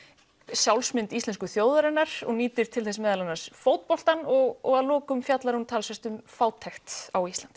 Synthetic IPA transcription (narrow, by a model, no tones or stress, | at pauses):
sjawlsmɪnt̪ist̪lɛnskʏθjoːwðaɾɛnːaɾ̥ɔ̰ɣniːt̪ɪɾ̥t̪ʰɪlθɛsmɛːðalanːasfowt̪̚pɔl̥t̪anɔɣɔɣaðlɔːkʏmfjat̪laɾhunt̪ʰaːlsɛst̪ʏmfaːwt̪ʰːɛxt̪awist̪ant̪